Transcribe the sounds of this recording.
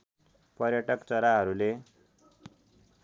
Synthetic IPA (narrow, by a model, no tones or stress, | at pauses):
pʌɾjʌʈʌkt͡sʌɾaɦʌɾule